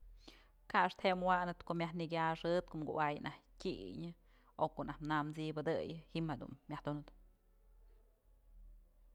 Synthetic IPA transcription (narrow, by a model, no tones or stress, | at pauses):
kaaʂt̪ʰhemwanɨt̪koʔmʲahniɡʲaʂɨt̪̚koʔmɡṵʔajnʔahtʲiɲɨ | okoʔnahnamt͡sibɨd̪ɨjɨhimhad̪ṵnːjahd̪unɨd̪